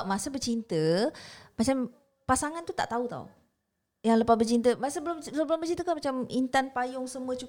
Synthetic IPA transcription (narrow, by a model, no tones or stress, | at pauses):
masəbərt͡ʃint̪ə | mat͡ʃam | pasaŋant̪ut̪a̰ʔt̪aut̪a̰w | jaŋləpasbərt͡ʃint̪əmasəbəlʊmbbəlʊmbərt͡ʃint̪əkamat͡ʃamint̪anpajʊŋsəmuət͡ʃu